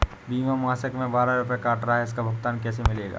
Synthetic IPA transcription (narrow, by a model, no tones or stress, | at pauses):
biːmamaːsəkmẽbaːɾaɾʊpjekaːʈɾɐɦaɛɪskabʱʊɡt̪aːnkɛːs̬emɪleːɡa̰ː